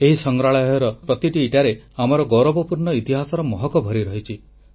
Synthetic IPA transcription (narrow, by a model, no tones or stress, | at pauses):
eɦisɔŋɡɾaɭɔjɔɔɾɔpɾɔt̪iʈiːʈaɾeamɔɾɔɡɔɾɔbɔpuɾɳɔit̪iɦasɔɾɔmɔɦɔkɔbʱɔɾiɾɔɦit͡ʃʰi